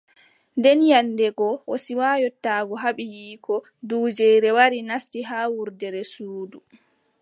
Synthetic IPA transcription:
ndɛnjanːdɛɡɔʔɔsiwaːjɔtːaːɡɔɦaɓijiːkʰɔ | duːd͡ʒɛjɾɛwaɾinastiɦaːwuɾdɛɾɛsuːdu

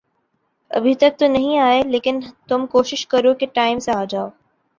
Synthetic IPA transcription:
ɐ̰bʱɪt̪ɐk̚t̪unɐɦĩaːeleːkɪnt̪ʊmkoːʃɪʃkɐɾokeʈaːɪmsaːd͡ʑaːoː

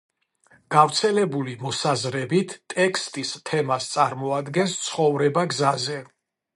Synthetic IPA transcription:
ɡ̥avt̪sʰɛlɛbulimɔsazɾɛbit̪ʰt̪ʼɛkʰst̪ʼist̪ʰɛmast̪sʼaɾmɔad̪ɡɛnst̪sʰχɔvɾɛbaɡzazɛ

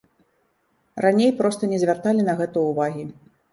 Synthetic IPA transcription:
ranʲejpɾɔst̪ɐnʲɛzʲvʲart̪alʲin̪ɐɣɛt̪ujuvaɣʲi

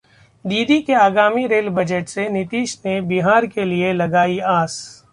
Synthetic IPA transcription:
d̪iːd̪ikeaːɡaːmiɾeːlbɐd͡ʒəʈsenɪt̪iːʃnebiɦaːɾkelielɐɡaːiaːs

